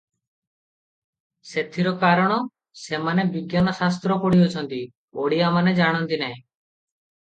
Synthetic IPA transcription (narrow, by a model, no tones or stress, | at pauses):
set̪ʰiɾɔkaɾɔɽ̃ɔ | semanebiɡjanɔsas̬t̪ɾɔpɔɽiɔt͡ʃʰɔnt̪i | oɽijamaned͡ʒaɽ̃ɔnt̪inaj̃